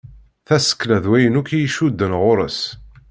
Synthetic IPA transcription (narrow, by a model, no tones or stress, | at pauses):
θæsə̥kːlæðwæjənukijiʃud̪ːənʁʊɾˤəs